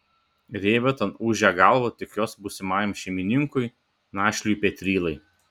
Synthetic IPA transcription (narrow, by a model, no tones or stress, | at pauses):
ɾʲeːʋʲɛt̪ɐnuːʒʲɛɡɑlˠʋot̪ʲɪkjoːsbʊsʲɪmɑːjɛmʃʲɛmʲɪnʲɪŋkʊj | nɑːʃʲlʲʊjpʲɛt̪ʲɾʲiːlˠɐɪ